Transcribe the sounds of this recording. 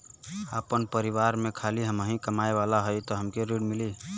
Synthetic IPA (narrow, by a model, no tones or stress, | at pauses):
aːpənpəɾiwaɾmẽkʰaliɦəməɦĩkəmaeʋalaɦojt̪ɔɦəmkeɾiɽmɪli